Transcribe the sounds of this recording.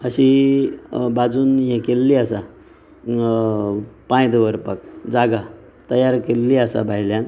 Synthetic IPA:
əɕi | bad͡zuːnjẽkelːiəsa | pãjd̪ʋəɾpək̚d͡zaɡa | t̪əjaɾkelːiəsa̰bʱaɦiljan

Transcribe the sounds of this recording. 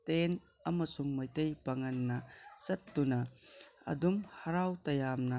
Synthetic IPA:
t̪en | ɐmɐsuŋmɐjt̪ejpɐŋɐnːɐsɐt̪ːunɐɐ̰dumhɐɾawt̪ɐjamnɐ

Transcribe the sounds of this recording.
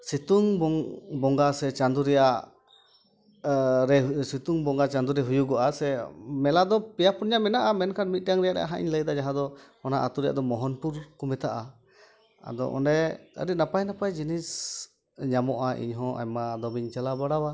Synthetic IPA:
sit̪uŋbɔbɔŋɡasɛt͡ʃand̪uɾɛjaʔ | ɾɛsit̪uŋbɔŋɡat͡ʃand̪uɾɛɦujuɡɔʔasɛmɛlad̪ɔpɛjapunɲamɛnaʔamɛnkʰaʈ̚mit̪̚ˀaŋɾɛjaʔɾɛ̰ʔa̰ɦaʔḭɲləjd̪ad͡ʒaɦãd̪ɔ | ɔna̰ʔat̪uɾɛja̰ʔd̪ɔmɔɦɔnpuɾkɔmɛt̪aʔa | a̰d̪ɔ̰ʔɔ̰nɖɛə̰ɾinapajnapajd͡ʒinis | ɲamɔʔaʔḭɲɦɔ̃ʔa̰jmad̪ɔbiɲt͡ʃalabaɽawa

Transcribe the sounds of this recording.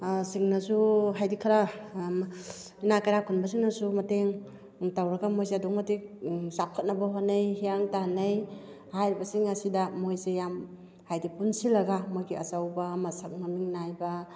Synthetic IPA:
siŋnasuɦajdikʰaɾa | inakajɾakʰunbas̬iŋnɐsumɐteŋ | tawɾɐɡamojzeadɔŋmɐtikzap̚kʰɐt̚nɐbaɦonejhijaŋtanej | hajɾibɐsiŋɐsidamojzejam | hajdipunsilɐɡamojɡiɐ̰sawbamɐsak̚ŋamiŋnajba

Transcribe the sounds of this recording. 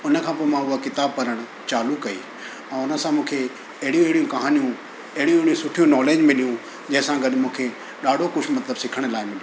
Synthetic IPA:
ʊnə̆kʰãːp̬oːmãʊɦakɪt̪aːb̚pɐɾəɽ̃ | t͡ɕaːlukɐḭː | ɛ̃ːʊnə̆sãmũːkʰe | ɐɦɪɽijũɐɦɪɽijũkɐɦaːnijũ | ɐɦɪɽijũɪɽijũsʊʈʰijũnɔːleːd͡ʑmɪlijũ | d͡ʑɐ̃ɦɪ̃sãɡɐɗɪmũːkʰe | ɗaːɖʱokʊt͡ɕʰmɐt̪ləbsɪkʰəɽ̃laːɪmɪl

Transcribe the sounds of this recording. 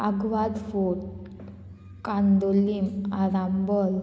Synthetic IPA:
aɡʋad̪fuɽ | kand̪olimaɾambɔl

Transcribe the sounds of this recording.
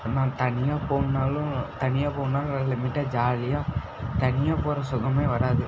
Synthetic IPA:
naːt̪ɐnɪjaːpoːaːlʊ̃t̪ɐnɪjaːpoːnaːlɐlɪmɪʈːɐd͡ʒaːlɪjaː | t̪ɐnɪjaːpoːɾɐsʊɣɐmeːʋɐɾaːðɯ

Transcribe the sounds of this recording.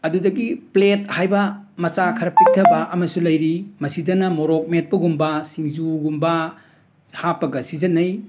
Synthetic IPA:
ɐdudɐɡiplet̚hajbɐmɐt͡ʃakʰɐɾɐpʰik̚tʰɐbɐʔɐmɐsulɐjɾimɐsidɐnɐmoɾok̚met̚pɐɡumbɐsiŋzuɡumbɐ | hapɐɡɐsizɐnɐj

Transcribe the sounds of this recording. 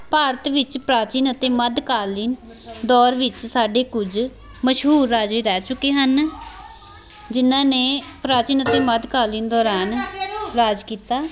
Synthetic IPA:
paːɾət̪ʋɪt͡ʃpɾaːt͡ʃiːnət̪eːməd̪kaːliːn | d̪ɔːɾʋɪt͡ʃsaːɖeːkʊd͡ʒ | məʃɦuːɾːaːd͡ʒeːɾɛːt͡ʃʊkːeːɦən | d͡ʒɪnːãːneːpɾaːt͡ʃiːnət̪eːməd̪kaːliːnd̪ɔːɾaːnɾaːd͡ʒkiːt̪aː

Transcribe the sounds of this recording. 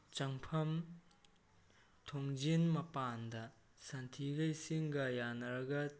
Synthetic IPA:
t͡ʃɐŋpʰɐm | tʰoŋd͡ʒinmɐpandɐ | santʰiɡɐjsiŋɡɐjanɐɾɐɡɐ

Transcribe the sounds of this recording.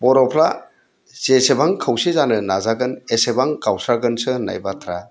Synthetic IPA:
bɔɾɔpʰla | zesebaŋkʰawsezanɯnazaɡɯnesebaŋkawsɾaɡɯnsɯna̰jbatʰɾa

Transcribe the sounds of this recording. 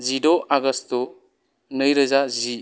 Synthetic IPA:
zidoaɡɐsto | nɯjɾɐzazi

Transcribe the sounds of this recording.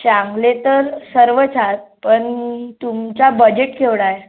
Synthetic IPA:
ɕaŋɡlet̪əɾsəɾʋət͡sʰat̪pəɳt̪umt͡ɕabəd͡ʑeʈkʰeʋɽaje

